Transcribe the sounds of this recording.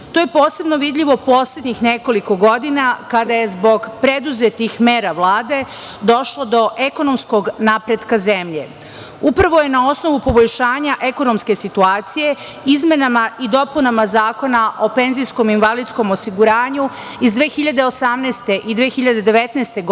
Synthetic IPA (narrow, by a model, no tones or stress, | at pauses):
t̪oːjepo̞ːse̞bno̞ʋid̪ʎiʋo̞po̞ːsled̪ɲixneko̞liko̞ɡod̪inakad̪aje̞zbo̞ɡpɾe̞d̪uzet̪ixme̞ːɾaʋlˠaːd̪e̞ | d̪o̞ʃlo̞d̪o̞ʔe̞ko̞no̞mskoɡnapɾe̞d̪kazemʎe̞̰ | upɾaʋo̞je̞nao̞sno̞ʋupo̞bo̞ʎʃaːɲaʔe̞ko̞nomske̞sit̪uaːt̪sije̞ | izme̞namaʔid̪o̞punamazaːko̞naʔo̞pe̞nzijsko̞minʋalid̪sko̞mosiɡuɾaːɲu | izd̪ʋeːxiʎad̪e̞o̞samneːst̪e̞ʔid̪ʋeːxiʎad̪e̞d̪e̞ʋet̪nɛːst̪e̞ɡ